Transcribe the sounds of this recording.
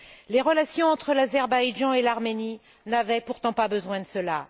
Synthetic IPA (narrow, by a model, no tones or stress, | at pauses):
leʁəlasjɔ̃ɑ̃t̪χəlazɛʁbajʒɑ̃elaʁmeni | navɛpuʁt̪ɑ̃pabəzwɛ̃d̪əsəla